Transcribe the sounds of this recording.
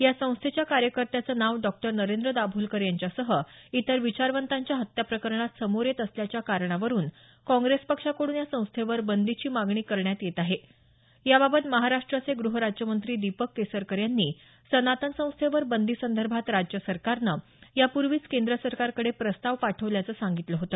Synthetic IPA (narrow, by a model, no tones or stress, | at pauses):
jasə̃w̃st̪ʰet͡ɕjakaɾjəkəɾt̪jat͡səːnaʋɖɔk̚ʈəɾnəɾend̪ɾəd̪abʱuːlkəɾjaɲt͡ɕjasəɦəit̪əɾʋit͡ɕaɾʋənt̪aɲt͡ɕjaɦət̪japɾəkəɾɳat̪səmoɾet̪əsljat͡ɕjakaɾɳaʋəɾuːn | kɔ̃ŋɡɾespəkʂakoɽuːnjasə̃w̃st̪ʰeʋəɾbənd̪it͡ɕiːmaɡɳiːkəɾɳjat̪jet̪aɦe | jaβabət̪məɦaɾaʂʈɾat͡seɡɾuɦəɾad͡ʑjəmənt̪ɾiːd̪ipəkːesəɾkəɾjanːiː | sənat̪ənsə̃w̃st̪ʰeʋəɾbənd̪isənd̪ʱəɾbʱat̪ɾad͡ʑjəsəɾkaɾnə | japuɾʋiːt͡skend̪ɾəsəɾkaɾkəɽepɾəst̪aʋpaʈʰəʋljat͡səːsaŋɡit̪ləɦot̪ə